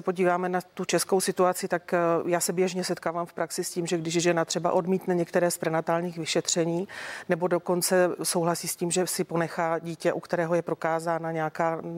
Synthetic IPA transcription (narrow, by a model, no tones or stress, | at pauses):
ɛpo̞ɟiːvaːmɛnat̪ut͡ʃɛskowsɪt̪uat͡sɪt̪akjaːsɛbjɛʒɲɛsɛt̪̚kaːvamfpɾaksɪsciːmʒɛɡdɪʒʒɛnat̪r̝̥ɛba̰ʔo̞dmiːt̪nɛɲɛkt̪ɛɾɛːspɾɛnat̪aːlɲiːxvɪʃɛt̪r̝̥ɛɲiːnɛbo̞do̞ko̞nt͡sɛsowɦlasiːsciːmʒɛsɪpo̞nɛxaːɟiːcɛʔukt̪ɛɾɛːɦojɛpɾo̞kaːzaːnaɲɛakaː